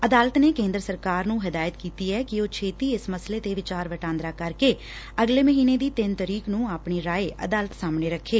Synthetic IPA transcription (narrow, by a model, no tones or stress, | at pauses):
əd̪aːlət̪neːkẽːnd̪ɾəsəɾkaːɾnũːɦɪd̪aːjət̪kiːt̪iːɛːkɪoːt͡ʃʰeːt̪iːɪsməsleːt̪eːʋɪt͡ʃaːɾʋəʈãːnd̪ɾaːkəɾkeː | əɡleːməɦiːneːd̪iːt̪ɪnt̪əɾiːknũːaːpɳeːɾaːeːʔə̰d̪aːlət̪saːmneːɾəkʰːeː